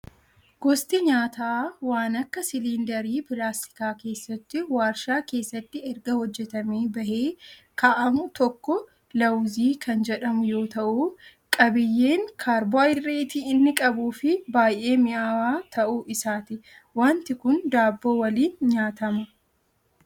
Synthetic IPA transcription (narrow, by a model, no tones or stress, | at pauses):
ɡ̥ɔst̪ɪɲaːt̪aːwaːnɐkːɐsɪliːnd̪ɐɾiːpɪlaːst̪ɪ̥kaːke̞ːsːɐt̪ːɪwaːɾʃaːke̞ːsːɐt̪ːɪɛɾɡɐhɔd͡ʒːɛt̪ɐmeːbɐhe̞ːkaːʔɐmʊt̪ɔkːɔ | lɐwziːkʰɐnd͡ʒɛᶑɐmʊjo̞ːt̪ɐʔu | kʼɐbɪjːeːŋkʰaːɾbɔjɾeːt̪ɪɪnːɪkʼɐbuːfɪbaːjʔːe̞ːmɪʔaːwaːt̪ʰɐʔuːʔɪsaːt̪ɪ | waːnt̪ɪkʊnd̪aːbːo̞ːwɐliːnɲaːt̪ɐmɐ